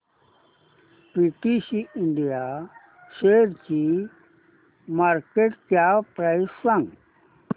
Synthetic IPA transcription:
piʈisiiɳɖija | ɕeɾt͡ɕi | maɾkeʈkjapɾajssãŋɡ

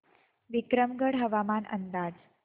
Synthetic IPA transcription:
ʋikɾəmɡəɽɦəʋamanʔə̰nd̪ad͡z

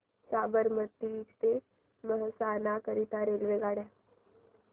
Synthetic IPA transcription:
saːbəɾmət̪ːid͡ʒt̪e | məɦəsaːnakəɾit̪aɾelʋeɡaːɽe

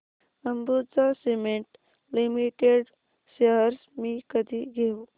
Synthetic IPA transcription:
əmbut͡sasimeɳʈ | limiʈeɖ | səɦəɾsmĩkəd̪ʱiɡʱew

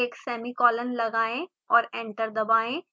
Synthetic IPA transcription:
eːksɛːmikɔːlənlɐɡaːẽ | ɔːɾẽːɳʈəɾd̪ɐbaːẽ

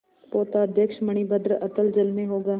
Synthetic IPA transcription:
poːt̪aɐd̪ʱjəkʃmɐɽ̃ibəd̪ɾəʔɐt̪əld͡ʒɐlmẽɦoːɡaː

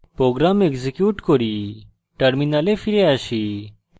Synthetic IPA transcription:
pɾoːɡɾaːmekzikjuːʈkoɾiː | ʈɐɾminaːlefʰiɾjaʃiː

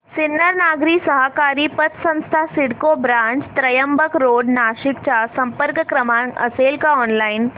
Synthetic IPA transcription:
sɪnːəɾnaːɡɾisəɦakaːɾipət̪ʰsɐ̃nst̪ʰasɪɽkobɾãːt͡ʃt̪ɾɐjəmbəkɾoːɖnaːʃɪk̚t͡ɕasɐ̃mpəɾkkɾɐmãŋɐ̰seːlkaɔːnlaːɪn

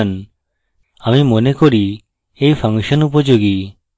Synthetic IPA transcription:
n | amimonekoɾi | ejpʰaŋʃɔnupod͡ʒoɡi

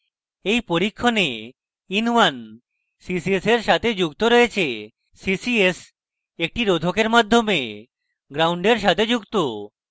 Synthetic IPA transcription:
ejpoɾikʰːone | inʋan | sisieseɾʃat̪ʰed͡ʑuɡt̪oɾɔet͡ɕʰe | sisies | ek̚ʈiɾod̪ʱokeɾmad̪ʱːome | ɡɾawɳɖeɾʃ̬at̪ʰed͡ʑuɡt̪o

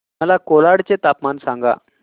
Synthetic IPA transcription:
məlakolaɽt͡set̪apmansaŋɡa̰

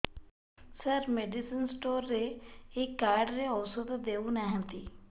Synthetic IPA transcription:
səɾmeːɖisənsʈoːɾːeekːaːɾɖɾeɔːsot̪d̪eːunaɦɛ̃t̪iː

